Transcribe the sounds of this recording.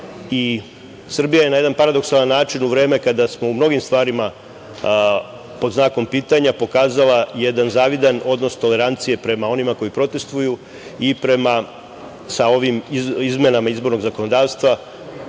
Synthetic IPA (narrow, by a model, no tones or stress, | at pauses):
i | sr̩bijaje̞naje̞d̪anpaɾad̪o̞ksalanːaːt͡ʃinuʋɾe̞ːme̞kad̪asmo̞umno̞ɡimst̪ʋaːɾima | po̞d̪znaːko̞mpiːt̪aɲapo̞kaːzalˠaje̞d̪anzaːʋid̪ano̞d̪no̞st̪o̞le̞ɾant̪sije̞pɾe̞mao̞nimako̞jipɾo̞t̪e̞st̪ʋuju | ipɾe̞ma | sao̞ʋimizmenamaizbo̞ɾno̞ɡzako̞no̞d̪aːʋst̪ʋa